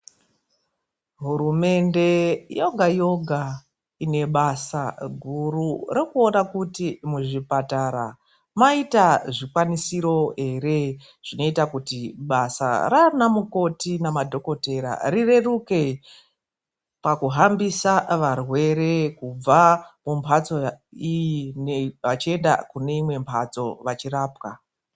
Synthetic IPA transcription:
ɦuɾume̞nde̞jo̞ɡʱajo̞ɡʱa | ine̞ɓasa̰ɡʱururekuo̞nakutimuʐipataːɾa | maitaʐikwanisiɾo̞ɦe̞re̞ | ʐ̥ino̞itakutiɓasa̰ranamuko̞tinamadʱo̞ko̞te̞ɾa̰rire̞ruke̞ | pakuɦambisaʋarwe̞ɾe̞kub͡vamumpʰat͡so̞ineʋat͡ʃie̞nda̰kune̞imwe̞mpʰat͡so̞ʋat͡ʃiraːpka

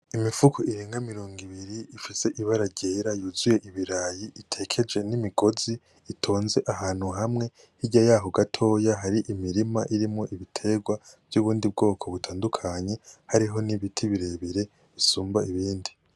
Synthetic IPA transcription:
imifukʰoiɾeːŋɡamiɾo̞ːŋɡiβiɾiifise̞ʔiβaɾaɾɟeɾajuːzuje̞ʔiβiɾajiʔitʰe̞kʰe̞d͡ʒe̞nimiɡo̞ziː | tʰo̞ːnze̞ʔahaːn̥huɦamŋe̞ | hiɟajaːɦoɡatʰo̞ːjaɦaɾiʔimiɾimaʔiɾimŋo̞ʔiβitʰe̞ɡwav̥juːβuːndib̚ɡo̞ːkʰo̞βutʰaːndukʰaɲe̞haɾiɦo̞niβitʰiβiɾe̞βiɾe̞ | βisuːmbaiβiːndi

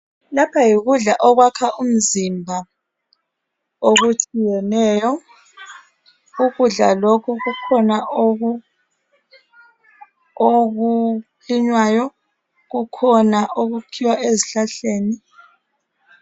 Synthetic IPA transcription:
lapʰajiɣuɮaʔɔɣwakʰaʔum̩zimbʱa | oɣut͡ʃʼijɛnɛːjɔ | ɣuɣuɮa̰lokʰuɣukʰɔnao | oɣu | liɲwajɔ | ɣukʰɔnaʔoɣukʰiwaʔeziɬaɬeːni

